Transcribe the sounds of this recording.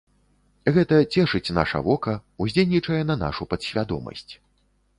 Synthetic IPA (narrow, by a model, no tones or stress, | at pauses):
ɣɛt̪ɐt͡sʲɛʂɨt͡sʲna̰ʂɐ̰vɔkɐuzʲejʲnʲit͡ʂɐjɛnɐna̰ʂupɐt̪ɕʲvʲad̪ɔ̰mɐ̰sʲt͡sʲ